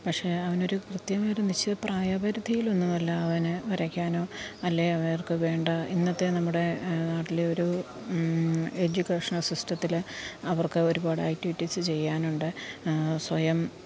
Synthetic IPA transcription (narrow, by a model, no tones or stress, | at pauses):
pɐkʂe̞ːɐʋɐno̞ɾukrɨt̪jɐmɐɾunit͡ɕːɐðɨpraːjɐbɐɾud̪ʱijilonːuɐlːɐːʋɐnɨʋɐɾɐkʲːaːno̞ːɐlːe̞ɐʋɐnɐrkɨʋe̞ːɳɖɐinːɐt̪ːe̞nɐmːuɽe̞naːʈːileoɾu | ed͡ʑukʲːeːʂɐnɐsusʈɐt̪ːilɐʋɐrkɨo̞ɾubaːɽɨaːk̚ʈːiʋiʈːisɨt͡ɕe̞jːaːnuɳɖɨswɐjɐm